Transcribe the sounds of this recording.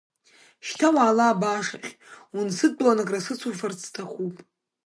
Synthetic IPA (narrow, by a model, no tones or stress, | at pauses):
ʃtʰawaːlaːbaːʂa̰χʲunsɨd̚pʼlanakʼrasɨt͡sʰufart͡stʰaχʷupʼ